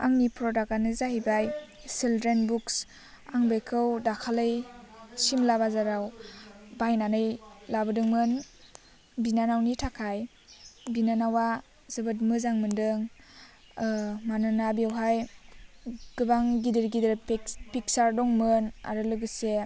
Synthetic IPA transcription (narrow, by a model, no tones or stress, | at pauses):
a̰ŋnipʰɾɔdaɡanɯzahijbajsildɾenbuks | aŋbɯjkʰɯwdakʰalɯjsimlabazaɾawbajnanɯjlabɯdɯŋmɯn | binanawnitʰakʰaj | binanawa | zɯbɯt̬̚mɯzaŋmɯndɯŋ | manɯnabiawɦaj | ɡ̥ɯbaŋɡidiɾɡidɯɾpik̚saɾdɔŋmɯna̰ɾɯlɯɡɯse